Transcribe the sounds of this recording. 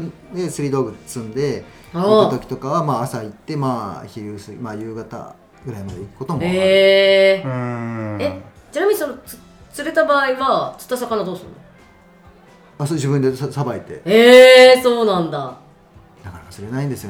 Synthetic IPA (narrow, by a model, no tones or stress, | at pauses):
d̪e̞sɨɾʲiːd̪oːɡɯ̟t̪ːt͡sɨ̃nd̪e̞ | hat̪o̞kʲi̥t̪o̞kaβamaːsait̪ːe̞maːçiɾɯːsɨmaːjɯːɡat̪a̰ | ɡɯ̟ɾaimad̪eikɯ̟̥ko̞t̪o̞moe | e | t͡ɕinamʲiɲisonoɨ̥ | t͡sɨɾe̞t̪abaːiβat͡sɨ̥t̪ːasakanad̪o̞ːsɨɾɯ̰no | asod͡ʑibɯ̟̃nd̪essabait̪e̞̰eso̞ːnãnd̪a | d̪akaɾakasɨɾe̞naĩnd̪e̞sɨjo